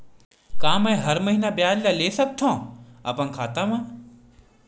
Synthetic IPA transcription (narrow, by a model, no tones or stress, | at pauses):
kãːmɛ̃ɦɐɾməɦiːnabjaːllaːleːsək̚t̪ʰõːɐ̰pənkʰaːt̪ãmãː